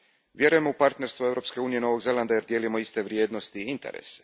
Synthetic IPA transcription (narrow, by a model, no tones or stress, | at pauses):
ʋje̞ɾuje̞moupaɾt̪ne̞ɾst̪ʋuevɾo̞pske̞uːnije̞no̞ʋo̞ɡze̞land̪ajeɾd̪je̞ːlimo̞ist̪e̞ʋɾjeːd̪nost̪iint̪ḛɾḛse̥